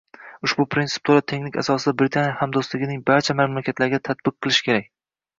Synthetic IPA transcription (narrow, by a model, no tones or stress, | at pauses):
ʊʃbʊpʰɾinsɪ̥p̚t̪ʰoɾat̪ʰe̞ŋnɪkʲa̰sɒsɪd̪abɾɪt̪ʰanjahamd̪ost̪lɪɡʲɪnɪŋbaɾt͡ʃʰamamlakʲʰat̪laɾɡʲat̪ʰat̪̚bɨq̚qːɨlˠɪʃɪ̥kʲʰe̞ɾakʲ